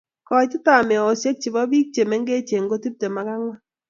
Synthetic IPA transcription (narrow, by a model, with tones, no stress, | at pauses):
kɔ˨t͡ʃɪ˦ta˨mɪ˨ɔ˨o˨se˦k̚t͡ʃɪ˨bɔ˦bi˦k̚t͡ʃe˨mɛ˦ŋɡe˦t͡ʃe˨ŋ˦ɡo˦ti˦p̚te˨ma˦ka˦ŋwa˦